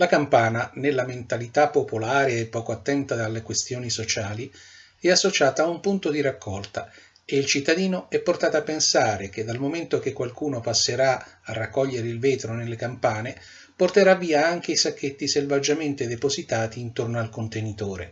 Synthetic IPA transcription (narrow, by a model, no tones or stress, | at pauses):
lakampaːnanelːament̪alit̪apːopolaːɾeepːɔːkoat̪ːɛnt̪ad̪alːekwest̪joːnisot͡ʃaːli | ɛasːot͡ʃaːt̪aːumpunt̪od̪iɾakːɔlt̪a | eilt͡ʃit̪ːad̪iːnoɛpːort̪aːt̪oapːensaːɾek̟ed̪ːalmoment̪ok̟ekːwalkuːnopasːeɾaarːakːɔʎːeɾeilvɛːt̪ɾonelːekampaːne | port̪eɾavːiːaaŋk̟eisakːet̪ːiselvad͡ʒːament̪ed̪epozit̪aːt̪iːnt̪ornoalkont̪enit̪oːɾḛ